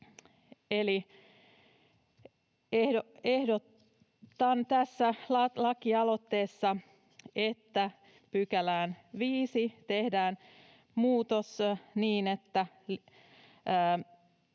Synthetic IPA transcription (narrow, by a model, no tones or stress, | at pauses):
eli | ehoehdo | t̪ɑnt̪æsːælɑlɑkiɑlot̪ːe̞ːsːɑ | et̪ːæ | pykælæːnʋiːsit̪ehdæːn | muːt̪osniːnet̪ːæ | lː